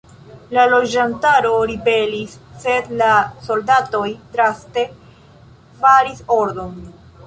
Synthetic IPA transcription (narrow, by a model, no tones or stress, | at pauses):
lalo̞d͡ʒantaɾo̞ɾibe̞lisːe̞d̪laso̞ldato̞jdɾaste̞ | faɾiso̞ɾdo̞n